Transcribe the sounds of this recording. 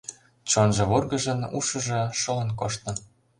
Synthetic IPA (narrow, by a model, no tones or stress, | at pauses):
t͡ɕonʒɤ̆βorɣɤ̆ʒɤ̆nṵʃɤ̆ʒɤ̆ʃɤ̆lɤ̆nkoʃt̪ɤ̆